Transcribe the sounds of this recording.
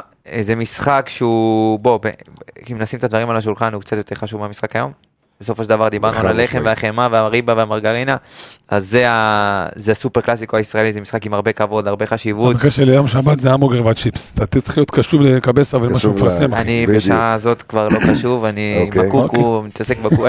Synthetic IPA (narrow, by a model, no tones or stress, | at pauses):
ezemisχakʃeubo̞beimnasimet̪ad̪vaʁimalaʃ̬ulχanhukt͡sat̪jo̞t̪e̞ʁχaʃuvmeamisχakajo̞̰m | beso̞foʃeldavaʁd̪ibaʁnnualaleχemmveaχemaveaʁibaveamaʁɡaʁinaʔazːeazeasupeʁklasikoaisʁaelizemisχakimaʁbe̞kavo̞d̪laʁbe̞χaʃivut̪bakaʃelejomʃabat̪zeamoɡeʁvat̪t͡ʃipstat̪t͡slijot̪kaʃuvlekabesavalaʃumefasemaanibeʃazo̞t̪kvaʁlo̞χaʃuvaniakukumit̪asekbau